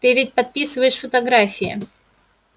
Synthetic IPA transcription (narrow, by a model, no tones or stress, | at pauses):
t̪ɨvʲɪt̚ʲpɐt̪̚pʲisɨvəjɪʂfət̪ɐɡɾafʲɪjɪ̰